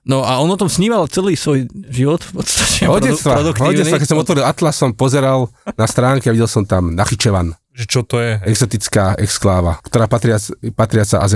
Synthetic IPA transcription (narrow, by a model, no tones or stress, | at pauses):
nɔaɔnɔt̪ɔmsɲiːmalt͡sɛliːsʋɔjʒiʋɔt̪fpɔt̪st̪ḁcɛɔɟɛt͡st̪ʋad̪kɔɟɛt͡s̪ʋakɛcsɔmɔt̪ʋɔɾilat̪lasɔmpɔzɛɾalnast̪ɾaːŋkiaiɟɛlˠsɔmt̪amnaxit͡ʃɛʋan | ʒɛt͡ʃɔt̪ɔjɛɛɡzɔt̪it͡skaːʔɛ̰ksklaːʋa̰kt̪ɔɾaːpat̪ɾɪat͡spat̪ɾɪat͡saʔa̰zɛ